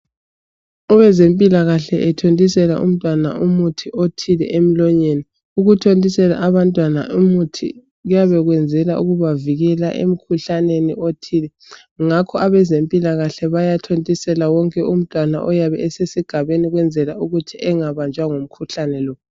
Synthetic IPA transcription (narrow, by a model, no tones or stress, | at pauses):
ɔβɛzempʼilaɣaɬɛʔɛtʰontʼisɛlaʔṵm̩tʼwana̰umutʰiʔotʰilɛ̰ʔem̩lɔɲeni | uɣutʰontʼisɛla̰ʔaβantʼwana̰ʔumutʰḭ | ujaβɛɣwɛnd͡zʱɛlaʔuɣuβaviɣɛla̰ʔḛm̩kʰuɬaneniotʰilɛ | ŋakʰɔaβɛzempʼilaɣaɬɛβajatʰontʼisɛlawɔŋkʼɛum̩tʼwana̰ʔɔjaβɛɛsesiɡ̥ʱaβeniɣwɛnd͡zʱɛlauɣutʰiʔɛŋaβand͡ʒʱʼwaŋom̩kʰuɬanɛlɔ